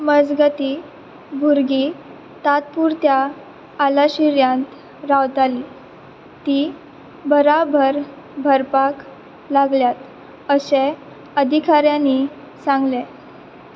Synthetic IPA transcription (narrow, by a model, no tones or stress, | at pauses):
məd͡zɡət̪i | bʱuɾɡi | t̪at̪̚puɾt̪jaː | laɕiɾjãnt̪ | ɾawt̪ali | t̪i | bəɾabʱəɾ | bʱəɾpak | laɡljat̪ | əse | əd̪ʱikaɾjãni | sãŋɡlɛ